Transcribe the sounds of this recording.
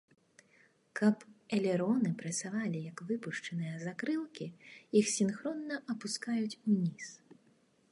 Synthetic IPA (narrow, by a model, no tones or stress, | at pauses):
kʰɐpɛlʲɛɾɔnɨpɾɐsʲavalʲijɐkvɨpuʂt͡ʂɐnɨjɐzakɾɨlˠkʲijixsʲinxɾɔnːɐʔɐpuskajut͡sʲunʲis